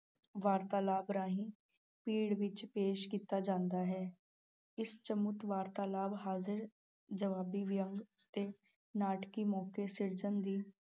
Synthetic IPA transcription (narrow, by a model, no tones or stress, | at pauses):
ʋaːɾt̪aːlaːbɾãːɦĩː | piːɽʋɪt͡ʃpeːʃkiːt̪aːd͡ʒãːnd̪aːɦɛː | ɪst͡ʃəmʊt̪ʋaːɾt̪aːlaːbɦaːzɪɾ | d͡ʒəʋaːbiːʋɪjəŋɡ | t̪eː | naːʈkiːmɔːkeːsɪɾd͡ʒənd̪iː